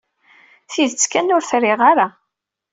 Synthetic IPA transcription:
θiðt͡sːkænʊɾθɾɪʁaɾa

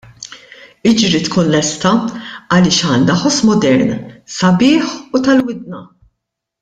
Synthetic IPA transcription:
ɪd͡ʒɾit̪kuːnlɛst̪ɐɐlɪːʃɐːnːɐħɔsmɔd̪ɛɾnsɐbɪːħut̪ɐlwɪd̪̚nɐ

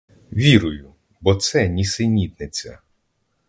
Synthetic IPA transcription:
ʋʲiɾʊjʊ | bɔt̪sɛnʲisɪnʲid̪nɪt͡sʲɐ̰

